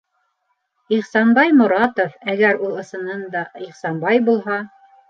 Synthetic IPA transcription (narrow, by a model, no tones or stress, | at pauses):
iχsɑnbɑjmʊ̆ɾɑt̪ofæɡæɾulˠɤ̆sɤ̆nɤnd̪ɑiχsɑnbɑjbulˠɦɑ